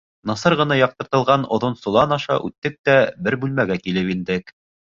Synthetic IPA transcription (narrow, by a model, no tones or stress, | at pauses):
nɑsɤɾʁɤ̆nɑjɑq̚t̪ɤ̆ɾt̪ɤ̆lˠʁɑnŏðonsŏlˠɑnɑʃɑ̰ʔʉ̰t̪ːɘk̚t̪æbɘɾbʉlmæɡækilɘpind̪ɘk